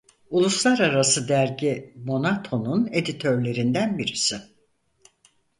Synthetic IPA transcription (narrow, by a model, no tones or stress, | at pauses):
ulˠuslˠaɾaɾasɯd̪æɾɟimo̞nat̪ʰo̞nune̞d̪it̪ʰø̞ɾlʲe̞ɾind̪ænbiɾisɪ